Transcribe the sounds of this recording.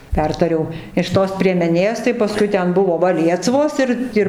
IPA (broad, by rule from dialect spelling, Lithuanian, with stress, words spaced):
ˈpʲɛrtɐrʲɛʊ ɪʃ ˈtoːs pʲrʲiɛmʲɛˈnʲeːs tɐɪ pɐˈskʊɪ ˈtʲɛn ˈbʊʋoː ˈʋɐ ˈlʲiɛsʋoːs ˈɪr ˈɪr